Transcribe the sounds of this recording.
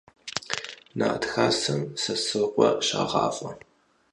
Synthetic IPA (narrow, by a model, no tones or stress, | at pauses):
na̰ːʔtxaːsɐmsɐsɨqʷʼɔɕaːʁɑ̰ːfʼɐ